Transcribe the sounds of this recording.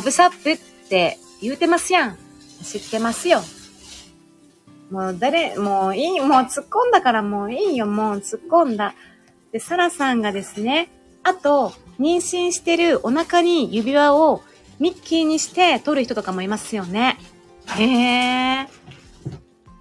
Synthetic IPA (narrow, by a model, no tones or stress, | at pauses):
obɯ̟sapːɯ̟t̪ːe̞ | jɯ̟ːt̪e̞masɨjã | ɕit̪ːe̞masɨjo̞ | moːd̪aɾemo̞ːiːmo̞ːt͡sɨkːõ̞nd̪akaɾamo̞ːiːjo̞mo̞ːt͡sɨkːõ̞nd̪a | d̪̥e̞saɾasãŋɡad̪e̞sɨne̞ | at̪o̞ɲ̟ĩɰ̃ɕĩɰ̃ɕi̥t̪e̞ɾɯ̟o̞nakaɲ̟ijɯ̟bʲiβao | mʲikʲːiɲ̟iɕi̥t̪e̞t̪o̞ɾɯ̟çi̥t̪o̞t̪okamo̞imasɨjo̞ne̞ | e